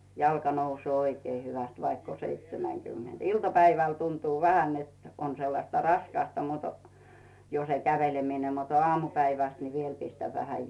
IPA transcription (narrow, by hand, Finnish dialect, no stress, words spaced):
jɑlkɑ nousŭoː oikeː hyʋæst ʋɑikː o seitsemæŋkymːend̥ iltɑpæiʋæl tuntuː ʋæhæn net on selːɑstɑ rɑskɑstɑ mut jo se kæʋelemine mut ŏɑːmupæiʋæst ni ʋiel pistæʋ ʋæhæ